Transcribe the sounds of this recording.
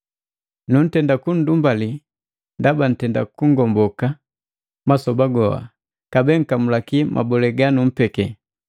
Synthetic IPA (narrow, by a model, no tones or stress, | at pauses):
nun̩tɛndakun̩dumbali | ndaban̩tɛnda̰kuŋ̩ɡɔmbɔka | masɔbaɡɔa̰ | kabɛŋ̩kamulakimʔa̰bɔlɛɡanum̩pɛkɛ